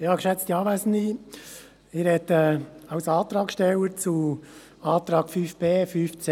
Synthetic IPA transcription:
hɑkʃɛt͡st̪iɑːvæsən̩di | ɪɾhɛt̪ɛːɑwsɑːt̪ɾɑːkʃtɛləɾt͡su | ɑːt̪ɾɑːkfyːfb̥eːfyːft͡se

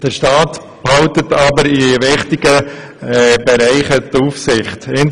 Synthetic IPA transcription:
d̥əɾʃtɑːt | phɑʊtətɑbəɾiʋɪχtɪɡ̥ə | bɛɾaɪχətuːfsɪχtɪn

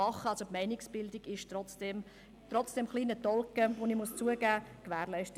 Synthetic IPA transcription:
ɑχːəɑlsopmæɪnɪksb̥ɪldɪɡɪʃtrɔt͡sd̥ɛm | trɔt͡sd̥ɛmχliːnətɔlkəʋonimust͡suəɡæːkʋæːɾlæɪʃtə

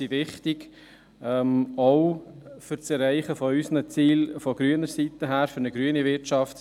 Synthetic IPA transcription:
iʋɪχtɪɡ | ɛmɔʊfʏɾt͡sɛɾɛɪχəfɔysnət͡siːlfɔɡɾyənəɾsitəɦæːɾfʏɾnəɡ̥ɾyːənivɪɾt͡ʃɑft

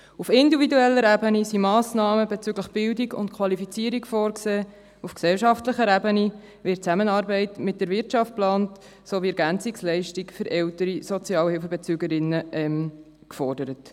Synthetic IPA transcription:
ufɪndividuɛlːəɾɛbənisimɑːsnɑːməbeɛt͡syɡləχb̥ɪldiɡʊ̰ntkʰwɑlifit͡siːəɾikfɔːɾkseː | ufksɛlʃɑftləχəɾɛbəni | vɪɾtt͡sæmənɑːɾbɛɪtmɪt̚d̥əɾvɪɾtt͡ʃɑft̚plɑːnt | soviɛɾɡænt͡sikslɛɪʃtikfʏɾʔɛʊtəɾisɔt͡sjɑːlhɪlfəbɛt͡syːɡəɾɪnːəʔɛm | kfɔrdəɾət

